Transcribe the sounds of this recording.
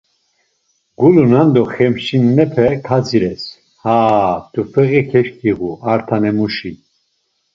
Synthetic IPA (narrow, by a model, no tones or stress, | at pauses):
ɡ̥ulunand̪ɔχɛmʃinːɛpʰɛkʰad͡ziɾɛs | haːt̪ufɛɣikʰɛʃkʰiɣuaɾt̪ʰanɛmuʃi